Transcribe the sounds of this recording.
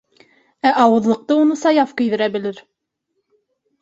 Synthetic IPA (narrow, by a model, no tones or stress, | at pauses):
æʔɑwɤ̆ðlˠɤ̆q̚t̪ɤunɤsɑjɑfkɵ̆jðɘ̆ɾæbɘ̆lɘɾ